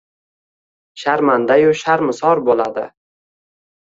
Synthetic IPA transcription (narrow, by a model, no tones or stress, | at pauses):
ʃaɾmand̪ajʊʃaɾmɪsɒɾbolad̪ɪ̰